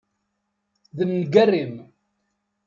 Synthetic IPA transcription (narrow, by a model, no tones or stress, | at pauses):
ðəmnɡærːim